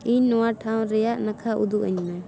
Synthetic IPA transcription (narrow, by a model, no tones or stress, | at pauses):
iɲnɔwaʈʰawnɾɛjaʔnakʰaʔṵd̪uʔa̰ɲmɛ